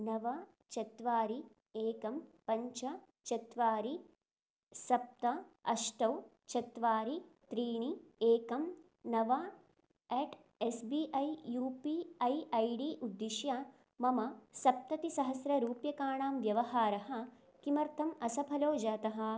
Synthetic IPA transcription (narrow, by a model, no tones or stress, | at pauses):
nɐʋɐ | t͡ʃɐt̪ʋaːɾi | eːkɐmpɐɲt͡ʃɐ | t͡ʃɐt̪ʋaːɾi | sɐp̚t̪ɐɐʃʈɐw | t͡ʃɐt̪ʋaːɾit̪ɾiːɳieːkɐm | nɐʋɐ | eːʈ | esbiːʔɐjjuːpiɐjɐjɖiːʔud̪ːiʃjɐ | mɐmɐsɐp̚t̪ɐt̪isɐɦɐsɾɐɾuːpjɐkaːɳaːmʋjɐʋɐɦaːɾɐɦɐ̆ | kimɐɾt̪ʰɐmɐsɐpʰɐloːd͡ʒaːt̪ɐɦɐ̆